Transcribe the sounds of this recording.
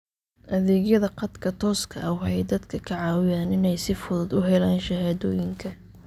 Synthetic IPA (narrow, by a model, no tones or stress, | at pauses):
ʔɐðɛːɡjɐðɐqɑd̪kʰɐt̪ʰɔːskʰɐ̰wʊħɑjd̪ɐd̪kʰɐkʰɐʕɑːwɪjaːnɪnɛjsɪfʊðʊd̪ʊɦɛlaːnʃɐɦaːðɔːjɪŋkʰɐ